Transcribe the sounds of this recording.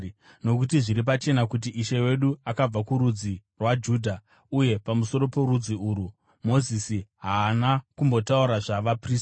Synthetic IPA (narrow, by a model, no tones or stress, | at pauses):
no̞kut̬iʐiɾip̬at͡ʃe̞nakut̬iʔiʃe̞we̞ɗuakab͡vakuɾud͡zirwad͡ʒuːdʱa | uje̞pamuso̞ɾo̞po̞rud͡ziuːɾu | mo̞zisiɦaːnakumbo̞tauɾaʐaʋapriːs